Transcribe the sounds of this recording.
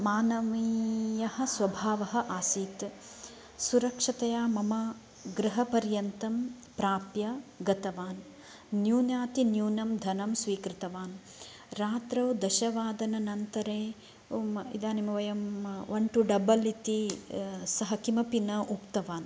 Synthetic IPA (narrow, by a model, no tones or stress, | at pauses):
maːnɐʋijɐhɐ̆sʋɐbʱaːʋɐɦɐ̆ʔaːsiːt̪ | suɾɐkʂɐt̪ɐjaːmɐmɐ | ɡɾɨɦɐpɐɾjɐnt̪ɐm | pɾaːpjɐɡɐt̪ɐʋaːnː | juːnjaːt̪injuːnɐmd̪ʱɐnɐmsʋiːkɾit̪ɐʋaːn | ɾaːt̪ɾɐwd̪ɐʃɐʋaːd̪ɐnɐnɐnt̪ɐɾeː | ḭd̪aːnimɐʋɐjɐmʋɐɳʈuɖɐbɐlit̪i | sɐɦɐkimɐpinɐʔukt̪ɐʋaːn